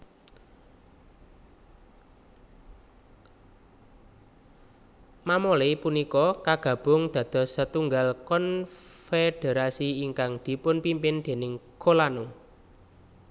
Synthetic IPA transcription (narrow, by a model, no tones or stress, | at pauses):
mamolepunikɔkaɡ̥ä̤b̥ʊ̤ŋd̪̥ä̤d̪̥ɔ̤sət̪uŋɡalkɔnfed̥e̤ɾasiiŋkaŋd̪̥i̤pʊnpimpɪnd̪̥e̤nɪŋkolanʊŋ